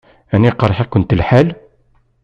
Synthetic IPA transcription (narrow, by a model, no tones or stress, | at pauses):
æniqɑɾˤħækʊnt̪əlħal